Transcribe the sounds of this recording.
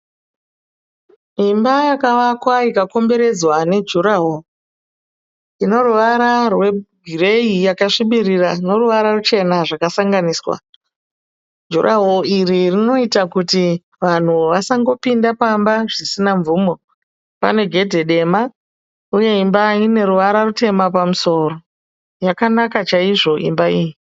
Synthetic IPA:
imbajakaʋakwaikako̞mbe̞ɾe̞d͡zwane̞d͡ʒuɾaɦo | ino̞ruʋaɾarwe̞ɡʱire̞ijakaʂiɓiriraino̞ruʋaɾarut͡ʃe̞naʐakasaŋɡaniːswa̰ | d͡ʒurʔaɦoiɾirino̞itakuti | ʋan̤uʋasaŋɡo̞pindapambaʐisinaɱvuːmo̞ | pa̰ne̞ɡʱe̞dʱe̞ɗe̞ma | uje̞imbaine̞ɾuʋaɾarute̞mapamuso̞ːro̞ | jakanakat͡ʃaiʐo̞ʔḭmbaiːji

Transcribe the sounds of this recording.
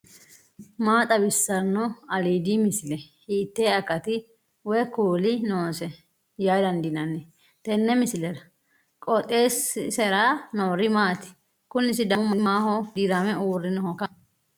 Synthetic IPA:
maːt̪ʼɐbɪsːɐnːɔɐliːd̪imɪsɪlɛhiːt̪ːeːɐkːɐt̪ɪ | wɛkuːlɪnoːsɛ | jajd̪ɐnd̪ɪnɐnːɛ | t̪ɛnːɛmɪsɪlɛdɐ | kʼɔt̪ʼeːssɛɾaːnoːɾɪmaːt̪ɪ̥ | kʊnːɪsɪd̪ɐmʊmɐnɪmaːhɔd̪iːɾamɛuːrːɪnɔɔkɐ

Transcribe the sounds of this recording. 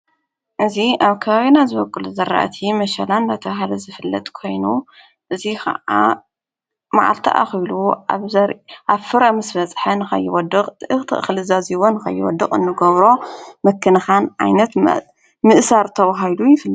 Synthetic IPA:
ʔɨziʔaβkʰɐβaβinazɨβɐkʼːɨluzɐɾa̰ʔt̪ʰimɐʃɐland̪at̪ʰɐβɦalɐzɨfɨlːɐ̰t̪ʼkʰo̞jnu | ʔɨzixɐ̰ʔa̰ | ma̰ʕa̰lt̪ʰa̰ʔa̰xluaβzɐɾʔaβfɨɾamɨsbɐt͡sʼħɐnɨxɐ̰jːɪwɔd̪ɨqʼʔɨxt̪ʰɨ̰ʔxɨlɨzaziwonɨxɐ̰jːɪwɔ̰d̪ɨχʼɨ̰nːɨɡɐβɾo̞mɐkʰːɨnɐxanʕa̰jnɐt̪ | mɨʔsaɾt̪ʰɐβaɦajlujɪfɨlː

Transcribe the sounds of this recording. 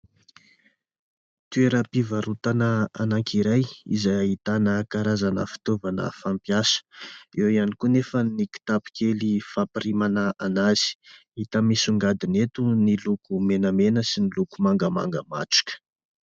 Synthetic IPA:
t̪ueɾapivaɾut̪anəanaŋkiɾajḭzajaɦit̪anəkaɾazanəfi̥t̪ovanə̰fampjasə̥ewianikunefəniki̥t̪api̥kelifapiɾimanəʔanazi̥ | it̪əmisuŋɡad̪inet̪unilukumenəmenəsinilukumaŋɡəma̰ŋɡə̰ma̰ʈ͡ʂi̥kə̥

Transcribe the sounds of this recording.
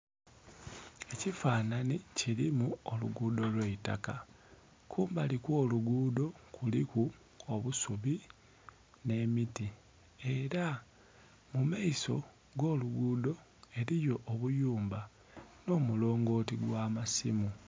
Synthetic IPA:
e̞cifaːnanicilimuolṵɡuːdo̞lweita̰ka | kʰuːmbalikwo̞ːluɡuːdo̞kuliku | oβusuβi | ne̞miti | e̞ɾa | mumaiso̞ | ɡo̞ːluɡuːdo̞ | e̞ɾijo̞ʔoβujuːmba | no̞ːmulo̞ːŋɡo̞ːtiɡwaːmasḭmu

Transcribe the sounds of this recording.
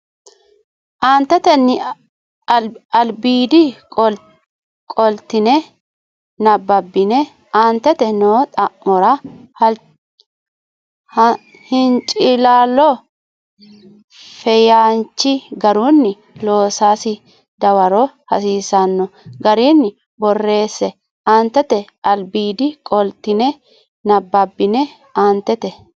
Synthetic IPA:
ʔaːnt̪ɛt̪ɛnːɪ | ɐlbiːd̪i | kʼɔlt̪ɪnɛ | nɐbːɐbːɪnɛ | ʔaːnt̪ɛt̪ɛnoːt̪ʼɐʔmɔɾɐ | hɪnt͡ʃʼɪlaːlːɔ | fɛjaːnt͡ʃːɪɡɐɾunːɪ | loːsaːsɪ | d̪ɐwɐɾɔ | hɐ̰siːsɐnːɔɡɐɾinːɪ | bɔrːe̞ːsːɛ | aːnt̪ːɛt̪ɛʔɐlbiːd̪ɪkʼɔlt̪ːɪnɛ | nɐbːɐbːɪnɛ | aːnt̪ːɛt̪ɛ

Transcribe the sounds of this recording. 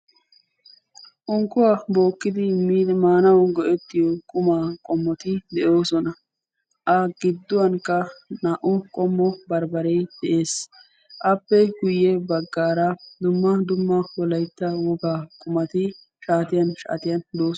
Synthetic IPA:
ʔɔŋkːʊwabo̞ːkːɪd̪ɪmːmaːnɐwnɡɔʔɛt̪ːɪjɔkʼʊmaːkʼɔmːɔt̪ɪd̪ɛjo̞ːsɔnɐ | ʔɐɡɪd̪ːʊwɐŋkːɐnaʔʊkʼɔmːɔbɐɾbɐɾɛjd̪̥ɛʔe̞ːs | ʔɐpːɛɡʊjːɛbɐɡːaːɾɐd̪ʊmːɐd̪ʊmːɐwɔlɐjt̪ːɐwɔɡaːkʼʊmɐt̪ɪ | ʃaːt̪ɪjɐnʃa̰ːt̪ɪjɐnd̪oː

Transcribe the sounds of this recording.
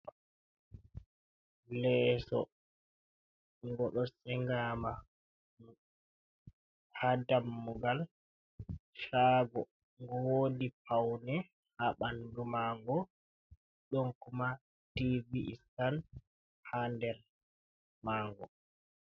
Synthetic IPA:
lɛːsɔ̰ | ŋɡɔɗɔsɛŋɡama | hadamːuɡal | ʃaːɡɔ | ŋɡɔwoːdipʰawnɛ | haɓandumaŋɡɔ | ɗɔnkuma | tiviʔːstan | handɛɾ | maːŋɡɔ

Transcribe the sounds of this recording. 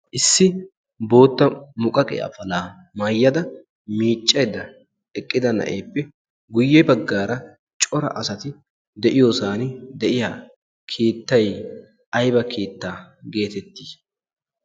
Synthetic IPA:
ʔɪsːɪ | bo̞ːt̪ːɐmʊkʼɐkʼḛːɐ̰fɐlaː | mɐjːɐd̪ɐ | miːt͡ʃʼːɐjd̪ɐ | ɛkʼːɪd̪ɐnɐ̰ʔeːpːɛ | ɡʊjːɛbɐɡːaːɾɐ | t͡ʃʼɔɾɐ̰ʔɐsɐt̪ɪ | d̪ɛʔɪjosaːnɪd̪ɛʔɪjaː | kʰeːt̪ːɐj | ʔɐjbɐkʰe̞ːt̪ːaːɡe̞ːt̪ɛt̪ːi̥ːs

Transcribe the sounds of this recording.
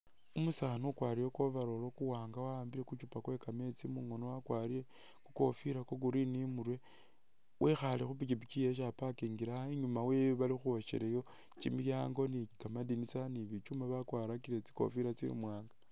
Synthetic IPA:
umusaːnukwaːɾijokwo̞βaɾo̞lo̞kuwaːŋɡawaaːmbiɾe̞kut͡ʃupakwe̞kame̞t͡simuŋonowakwaːɾie | ku̥ko̞fiɾako̞k̬uɾinimuɾwe̞ | wʔexalixupit͡ʃipit͡ʃije̞ʃ̬apakiːŋɡiɾaaiɲumaweβalixuoʃḛɾejo̞ | t͡ʃḭmiljaːŋɡo̞nikamadinit͡saniβit͡ʃumaβakwaːɾakiɾe̞t͡si̥ko̞̰fiɾat͡sḭmwaːŋɡa

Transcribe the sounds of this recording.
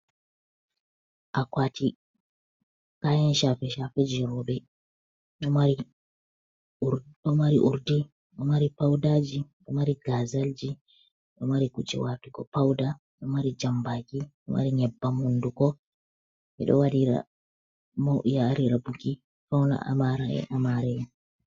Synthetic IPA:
ʔakwaːtʰi | kajɛnʃafɛʃafɛd͡ʒɛɾɔbɛ | ɗɔaɾi | ɗɔmaɾiʔuɾdi | ɗɔmaɾipawdad͡ʒiɗɔmaɾiɡazald͡ʒi | ɗɔmaɾikud͡ʒɛ̰watukɔ̰pawda | ɗɔmaɾid͡ʒambakiɗɔ̰ma̰ɾiɲɛbːamundukɔ | mɛ̰ɗɔ̰waɗiɾa̰ | maʔjaːɾiɾabuɡi | fawna̰a̰maɾaɛ̰ʔamaɾɛjɛ

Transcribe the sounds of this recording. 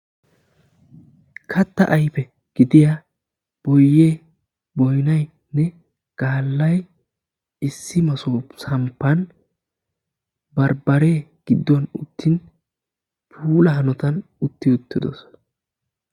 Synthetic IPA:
kʰɐt̪ːɐʔɐjpɛ | ɡ̥ɪd̪ɪja | b̥ɔjːeː | bɔjnɐj | nɛ | ɡ̥aːlːɐj | ɪsːɪmɐsoːsɐmpːɐn | bɐɾbɐɾeːɡ̥ɪd̪ːɔnʊ̰t̪ʰːɪn | pʰuːlɐɦɐnɔt̪ɐn | ʊt̪ːɪʊt̪ːɪd̪ɔ̰sɔ̥nɐ̥

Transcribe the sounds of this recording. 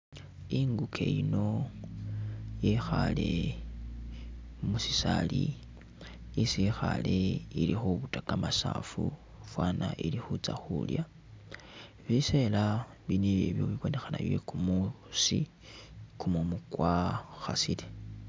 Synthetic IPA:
iŋɡukʰe̞jino̞ | jexale̞ | musi̥sali | isixale̞ilixuβutakamasafu | fwaːnaʔilixut͡saxulja | βise̞la | βiniβje̞βjoβiβo̞ne̞xanaβjekumu | si | kumumukwaxasile

